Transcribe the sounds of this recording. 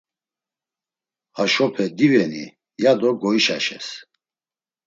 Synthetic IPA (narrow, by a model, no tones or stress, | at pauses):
aʃɔpʰɛd̪ivɛnḭ | jad̪ɔɡɔiʃaʃɛ̰s